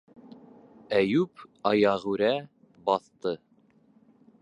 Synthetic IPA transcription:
æjʉpɑjɑʁʉɾæ | bɑθt̪ɤ

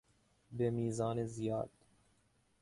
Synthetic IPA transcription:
bemiːzɑːnezijɑːd̪

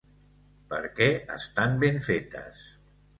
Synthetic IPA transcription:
pə̰ɾkɛə̰st̪ambeɱfet̪ə̰s

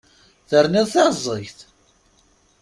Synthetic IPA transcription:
θəɾniðˤθæzˤːəçθ

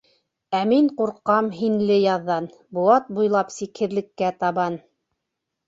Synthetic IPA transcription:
æmiɴquɾqːɑmɦinlɘjɑðːɑn | buɑt̪̚bujlˠɑpsikhɘ̆ðlɘ̆kːæt̪ɑβɑn

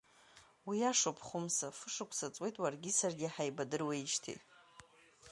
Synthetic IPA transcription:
wiaʂopʰχʷʊmsafɨʂakʷʼʰsat͡sʼwe̞jtʼwarɡʲisarɡʲɪħajbadɨrweiʃtʰḭ

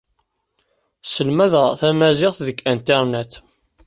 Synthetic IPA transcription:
səlmæðəθæmæzɪʁθðəkːænt̪eɾˤnæt̪

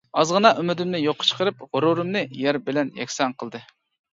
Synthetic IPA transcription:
ɑzʁənɑʔymɪd̪ɪmnɪjoqʰːə̥t͡ʃʰə̥qʰəɾɨp̚ʁʊɾuɾɨmnɨjæɾbɪlɛnjɛ̰kʲsɛnqʰəlˠd̪ɨ

